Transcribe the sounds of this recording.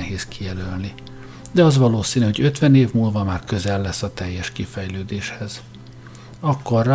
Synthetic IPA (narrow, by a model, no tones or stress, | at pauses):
ɦeːzkijɛlølni | d̪ɛɒzʋɒloːsiːnyho̞ɟø̞t̪ʋɛneːvmuːlvɒmaːrkø̞zɛlːɛsːɒt̪ɛjːɛʃkifɛjløːd̪eːʃhɛz | ɒkːorː